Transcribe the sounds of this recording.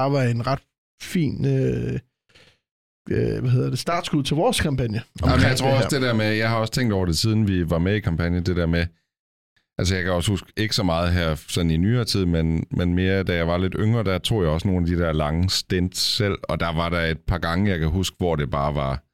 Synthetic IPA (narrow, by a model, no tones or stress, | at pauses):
ɑ̈ʋɑ̈enʁɑd̥ | fḭːnø | ʋæhe̝ðˠɐd̥e̝sd̥ɑ̈d̥sɡ̥uðˠt͡sʰeʋɒːskʰɑ̈mpʰænjəamnjaɪt͡sʰʁo̝ɐɒsd̥e̝d̥eɐmejɑ̈ɪɦɑ̈ɒ̽st͡sʰeŋ̰d̥ɒʊɐd̥e̝siːð̞ˠn̩ʋiʋɑ̈meikʰɑ̈mpʰænjəd̥e̝d̥eɐme | ʔæls̬əjɑ̈ɪkʰæɒ̽shusɡ̥e̝ɡ̥ə̥sɒ̽mɑ̈ːð̞̩ˠɦæɐ̰sɒ̽ninyːɐːt͡sʰið̞̰ˠmenmenme̝ːɐd̥æjɑ̈ɪʋɑ̈le̝d̥øŋʁɐːd̥æt͡sʰo̝̰ːjɑ̈ɪɒ̽sno̝ːnæd̥id̥eɐlɑ̈ŋəsd̥end̥ssel̰ɒ̽d̥ɑ̈ʋɑ̈ɾɑ̈e̝d̥̚pʰɑ̈ːɡ̥ɑ̈ŋəjɑ̈ɪkʰæɦusɡ̥əʋɒd̥e̝b̥ɑ̈ːʋɑ̈